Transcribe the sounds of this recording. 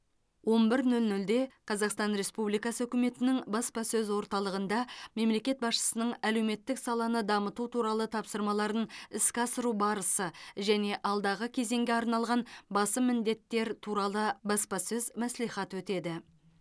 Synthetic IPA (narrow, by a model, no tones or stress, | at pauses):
wo̞mbɪɾnɵlnɵld̪e̞qʰɑzɑqst̪ɑnɾe̞spublijkɑsəɵkʲɪme̞t̪ɪnɪŋbɑspɑsɵzwo̞ɾt̪ɑlˠəʁənd̪ɑme̞mle̞kʲe̞t̪̚bɑsʃə̥sənəɴæle̞wme̞t̪ːɪksɑlˠɑnəd̪ɑmət̪ut̪ʰuɾɑlˠət̪ʰɑpsəɾmɑlˠɑɾənɪskʲɪɑsəɾubɑɾəsəʒæne̞ʔɑlˠd̪ɑʁəkʲʰe̞ze̞ŋɡʲe̞ɑɾnɑlˠʁɑnbɑsəmɪnd̪e̞t̪ːe̞ɾt̪ʰuɾɑlˠəbɑspɑsɵzmæslijχɑt̪wɵt̪e̞d̪ɪ